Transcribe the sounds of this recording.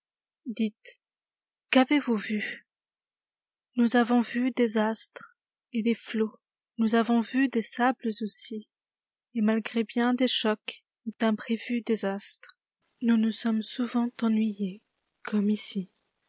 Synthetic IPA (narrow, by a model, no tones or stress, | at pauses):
d̪it̪ | kavevuvy | nuzavɔ̃vyd̪ezast̪χ | ed̪eflo | nuzavɔ̃vyd̪esabləzosi | emalɡʁebjɛ̃d̪eʃɔk | d̪̥ɛ̃pχevyd̪ezast̪χ | nunusɔmsuvɑ̃t̪ɑ̃nɥije | kʰɔmisi